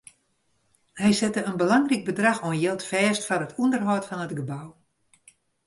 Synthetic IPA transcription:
hɛjsɛtəənbəlɑŋrik̚bədrɑxonjɪlˠtfɛːstfɔrətʰundərɦɔtfɔnətɡəbaw

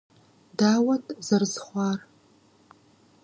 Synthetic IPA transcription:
daːwɐtʰzɐrzχʷɑːr

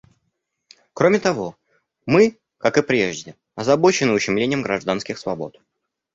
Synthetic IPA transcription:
kɾo̞mʲɪt̪ɐvo̞ | mɨ | kakɨpɾʲe̞ʐdʲɪ | ɐzɐbo̞t͡ɕɪnɨʊɕːɪmlʲenʲɪjəmɡɾɐʐd̪anskʲɪxsvɐbo̞̰t̪

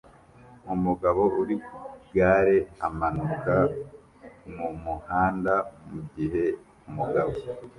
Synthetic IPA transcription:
umuɡaβo̞ʔuɾikɡaːɾe̞a̰manuka | mumuhaːndamuɟiɦe̞ | umuɡaβo

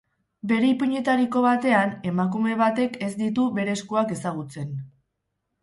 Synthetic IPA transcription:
be̞ɾe̞ipuɲe̞t̪aɾiko̞βat̪e̞ane̞makume̞βat̪e̞ke̞zd̪it̪uβe̞ɾe̞skuake̞saɣ̞ut͡se̞n

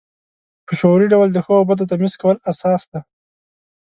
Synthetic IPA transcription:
pəʃoɾiɖawəld̪əxəbad̪ot̪amɪzkawəlasɑsd̪a

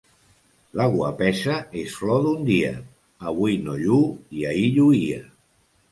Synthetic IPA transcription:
laɣwə̰pɛʃaesflɔðund̪iə̰ː | βujnoʎuiaiʎuiə

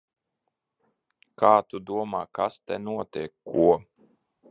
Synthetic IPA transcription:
kaːt̪ud̪uɔmaːkast̪ɛnuɔt̪iɛkːuɔ

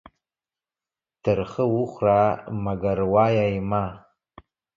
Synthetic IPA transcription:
tʰɨrχəwuχʷramaɡarwajajma

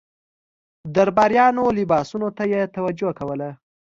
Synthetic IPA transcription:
d̪aɾbɑɾjɑnolɪbɑsunot̪ajet̪awad͡ʒokawəla

